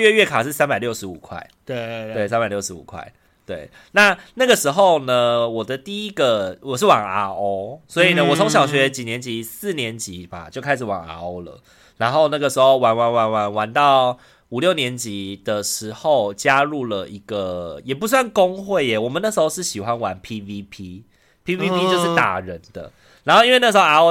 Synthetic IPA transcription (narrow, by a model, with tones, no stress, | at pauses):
ɥɛ˥˧ɥɛ˥˩kʰa˨˩ʂɻ̩˥˩sa˥npa˨˩ljo˥˩ʊʂɻ̩˧˦u˨˩kʰwa̰˥˩ɪe˥t̪we˥˩ɪsa˥npa˨˩ɪljo˥˩ʊʂɻ̩˧˦ṵ˨˩kʰwa̰˥˩ɪ | t̪we˥˩ɪ | na˥˧na˥˩ɡə˩ʂɻ̩˧˥xo˥˧ʊnə˩wɔ˨˩d̪ə˦t̪i˥˩i˦ɡə˨wɔ˨˩ʂ̬ɻ̩˥˩wɑ˨˩ŋa̰˧˦ʔo˦˥ʊswɔ˧˥i˨nə˧˦wɔ˨˩t͡sʰo˧˦ŋɕjɑ˨ʊɕɥɛ˧˦t͡ɕi˨˩njɛ˧˦nt͡ɕi˧˦sɹ̩˥˩njɛ˧˦nt͡ɕi˨˦ba̰˨t͡ɕjo˥˧ʊkʰa˥ɪʂ̬ɻ̩˨˩wɑ̰˨˩ŋa̰˧o˥ʊlə̰˨ | ɻa˧˦nxo˥˧ʊna˥˩ɡə˩ʂɻ̩˧˥xo˥˧ʊwa˧˥nwa˧˥nwa˧˥nwa˧˥nwa˧˦nt̪ɑ˥˩ʊ | u˨˩ljo˥˩ʊnjɛ˧˦nt͡ɕi˨˦d̪̥ə˨ʂɻ̩˧˥xo˥˩ʊt͡ɕja˦ɻu˥˩lə˩i˧˥ɡ̥ə˨jɛ˨˩p̬u˧˥s̬wa˥˩nko˦ŋxwe˥˩ɪe˨˩wɔ˨˩mə˦na˥˩ʂɻ̩˧˥xo˥˧ʊʂ̬ɻ̩˥˩ɕi˨˩xwa˦nwa˧˦npʰi˦˥vi˦pʰi˦ | pʰi˥vi˦˥pi˥t͡ɕjo˥˧ʊʂɻ̩˥˩t̪a̰˨˩ɻə˨˦nd̪̥ə̰˧ | ɻa˧˦nxo˥˧i˥nwe˥˧na˥˩ʂ̩ɻxo˥˧a˧˥o˥